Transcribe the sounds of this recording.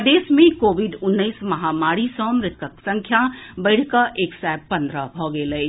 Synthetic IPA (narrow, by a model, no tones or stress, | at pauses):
d̪eːsmẽkoːʋiɖʊnːəɪsmɐɦamaːɽisɔ̃mɾɪt̪ʰəksə̃ŋkʰjabəɪɽ̤ʱkaʔeːksɛpɐ̃nd̪ɾəbʱɔɡeːləː